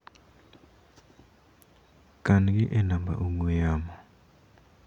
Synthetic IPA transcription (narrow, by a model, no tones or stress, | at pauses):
kanɡiʔɛnamba̰ʔuŋujaːmɔ